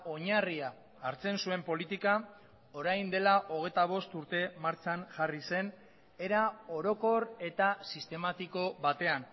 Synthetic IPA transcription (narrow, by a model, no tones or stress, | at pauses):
o̞ɲariaː | ɾt͡se̞nsue̞mpo̞lit̪ika | o̞ɾajnd̪e̞laʔo̞ɣ̞e̞jt̪aβ̞o̞st̪uɾt̪e̞maɾt͡sanʝarise̞n | e̞ɾao̞ɾo̞ko̞ɾe̞t̪asist̪e̞mat̪iko̞βat̪e̞an